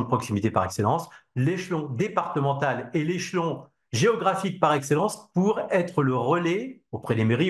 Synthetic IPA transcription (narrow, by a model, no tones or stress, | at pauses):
d̪əpχɔksimit̪epa̰ʁɛkselɑ̃sleʃlɔ̃d̪epaʁt̪əmɑ̃t̪aleleʃlɔ̃ | ʒeɔɡʁafik̚paʁɛkselɑ̃spuʁɛt̪χələʁəleopχɛd̪emeʁi